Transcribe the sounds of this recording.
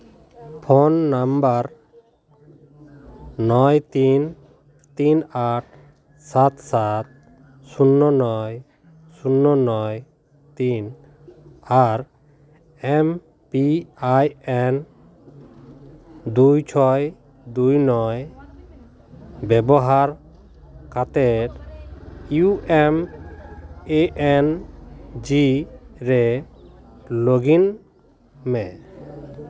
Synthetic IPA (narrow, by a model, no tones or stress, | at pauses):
pʰɔnːambaɾ | nɔjt̪in | t̪inaʈ̚ʰ | sat̪sat̪̚ | sunːɔnɔj | sunːɔnɔj | t̪in | aɾ | ɛm | piajɛn | d̪ujt͡ʃʰɔj | d̪ujnɔj | bɛbɔɦaɾ | kat̪ɛt̪ | juʔɛm | eʔɛn | d͡ʒiɾɛ | loɡin | mɛ